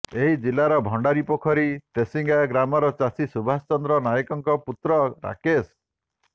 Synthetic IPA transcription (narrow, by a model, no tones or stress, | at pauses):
eɦid͡ʒilːaɾɔbʱɔɳɖaɾipɔkʰɔɾit̪esiŋɡaɡɾamɔɾɔt͡ʃasisubʱast͡ʃɔnd̪ɾɔnajɔkɔŋkɔput̪ɾɔɾa̰kes